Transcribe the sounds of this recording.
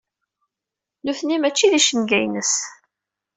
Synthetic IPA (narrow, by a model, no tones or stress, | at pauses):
nuθnimæt͡ʃːiðiʃənɡæjnəs